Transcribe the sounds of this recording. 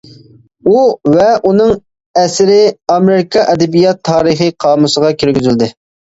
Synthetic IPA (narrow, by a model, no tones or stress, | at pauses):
uvɛʔunɨŋ | ɛsɪɾɪɑmeɾɪkʰɑʔɛd̪ɛbijɑt̪ʰːɑːɾɨχɨqʰɑːmusəʁɑkʲʰyɾɡʲyzyld̪ɪ